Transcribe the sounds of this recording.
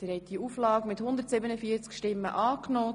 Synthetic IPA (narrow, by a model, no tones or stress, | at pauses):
d̥ɛːɾhɛt̚d̥iuːflɑːɡmɪthʊnd̪əɾtsɪbənəfiːət͡skʃtɪmːə̰ʔɑːknoː